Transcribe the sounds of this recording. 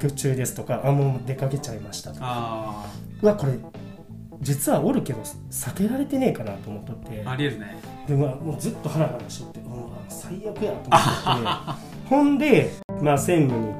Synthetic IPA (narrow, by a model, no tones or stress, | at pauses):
kʲot͡ɕɨːd̪e̞sɨ̥t̪o̞kaʔamod̪e̞kake̞t͡ɕaimaɕi̥t̪ḁt̪o̥ | ɯako̞ɾe̞ | d͡ʑit͡sɨβaoɾɯ̟ke̞d̪o̞ | sake̞ɾaɾe̞t̪e̞ne̞ːkanat̪o̞ːmo̞t̪ːot̪ːe̞aɾʲieɾɯne | ɾemamoːd͡zɨt̪ːo̞haɾaɡat̪aɕiot̪ːeoasaijakɯ̟jat̪oːot̪ːe | hõ̞nd̪e̞ | maːsẽ̞ŋɡɯɲ̟i